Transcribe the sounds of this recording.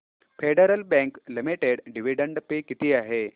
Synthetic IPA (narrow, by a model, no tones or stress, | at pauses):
feɽəɾəlbɛ̃ŋklimiʈeɽɖiʋiɖəɳɖpekit̪iːaɦe